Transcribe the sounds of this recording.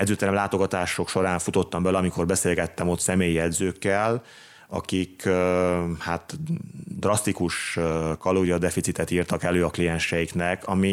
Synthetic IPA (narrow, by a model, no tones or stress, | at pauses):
ɛd̪zøːt̪ɛɾɛmlaːt̪o̞ɡɒt̪aːʃo̞kʃo̞ɾaːɱfut̪ot̪ːɒmbɛlɛɒmiko̞rbɛseːlɡɛt̪ːɛmo̞t̪sɛmeːjiɛd̪zøːkːɛl | ɒ̰kik | hat̪d̪rɒst̪ikuʃkɒloːɾijɒd̪ɛfit̪sit̪ɛt̪iːrt̪ɒkɛløːɒklijɛnʃɛjiknɛkɒmi